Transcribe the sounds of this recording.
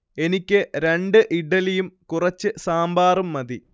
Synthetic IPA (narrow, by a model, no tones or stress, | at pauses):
e̞nikʲːɨɾe̞ɳɖɨʔiɽɐlijumkurɐt͡ɕːɨsaːmbaːrumːɐði